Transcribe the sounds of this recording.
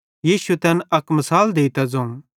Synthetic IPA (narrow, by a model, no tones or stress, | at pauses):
jiːʃuet̪ɛnɐkmɐsaːld̪eːit̪ɛd͡zɐ̃ũ